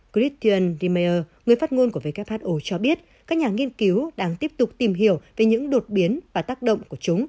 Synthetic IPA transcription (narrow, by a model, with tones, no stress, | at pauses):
ki˦˥t̪ʰi˧ʔə˧nzi˧me˧ʔəː˧ŋɨ˨˩əjfaː˦˥t̚ŋo˧nku˧˩əve˨˧˩kɛ˦˥p̚haː˦˥t̚ʔo˧t͡ɕɔ˧ɓi˦˥ət̚ | kaː˦˥k̚ɲaː˨˩ŋi˧ənki˨˦wɗaː˧ŋt̪i˦˥əp̚t̪ʊ˨˩k͡p̚t̪i˨˩mɦi˧˩əwve˨˩ɲɨ̰˧˥ŋɗo˨˩t̚ɓi˨˦ənvaː˨˩t̪aː˦˥k̚ɗə̰˧˨wŋ͡mku˧˩ət͡ɕʊ˨˦ŋ͡m